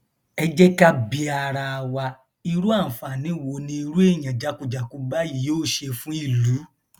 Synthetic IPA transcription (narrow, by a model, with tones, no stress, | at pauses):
ɛ˧d͡ʒɛ˦ka˦bi˧a˧ɾa˧wa˧ | i˧ɾu˦a˦˨fa˨nĩ˨˦˨wo˨˧nĩ˧i˧ɾu˦e˦˨jã˨d͡ʒa˨˦ku˧d͡ʒa˨ku˧ba˦ji˨˦o˦˨ʃe˧fũ˦i˦˨lu˨˦